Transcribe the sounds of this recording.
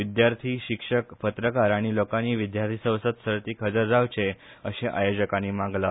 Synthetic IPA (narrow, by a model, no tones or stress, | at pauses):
ʋid̪jaɾt̪ʰiːɕikʂəkpət̪ɾəkaɾaɽ̃ilokaniːʋid̪jaɾt̪ʰisə̃wsət̪səɾt̪iːkʰəd͡zəɾd͡zawt͡ɕe | əɕeʔajod͡ʑəkaniːmãŋɡla